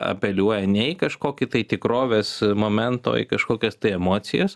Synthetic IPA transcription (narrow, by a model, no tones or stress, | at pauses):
ɐ̰pʲɛlʲuɔjɛnʲɛɪkɐʃkoːkʲɪt̪ɐɪt̪ʲɪkɾoːʋʲeːsmoːmʲɛnt̪o̰ːḭkɐʃkoːkʲɛst̪ɐɪɛmoːt͡ssʲɪ̰jɛs